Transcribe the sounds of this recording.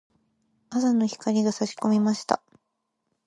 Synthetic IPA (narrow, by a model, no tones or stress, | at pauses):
asano̞çi̥kaɾʲiɡasaɕi̥ko̞mʲimaɕi̥t̪a̰